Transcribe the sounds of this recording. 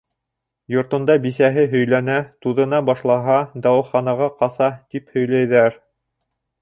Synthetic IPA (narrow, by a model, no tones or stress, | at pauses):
jŏɾt̪ŏnd̪ɑbisæɦɘɦɵ̆jlænæt̪uðɤ̆nɑbɑʃlˠɑɦɑd̪ɑwɤ̆χɑnɑʁɑqɑsɑt̪iphɵ̆jlæjðæɾ